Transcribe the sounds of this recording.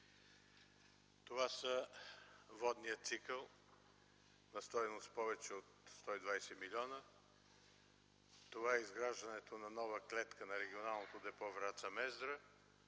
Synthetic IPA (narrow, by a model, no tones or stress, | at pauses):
t̪ovasə | vɔd̪nijət̪sikəlˠ | nɐst̪ɔjnost̪̚pɔvɛt͡ʃɛot̪st̪ɔid̪vajsɛmilʲɔnə | t̪ovaɛizɡɾaʒd̪ɐnɛt̪onɐnɔvəklɛt̪kənɐɾɛɡʲionalˠnot̪od̪ɛpɔvɾat̪səmɛzd̪ɾə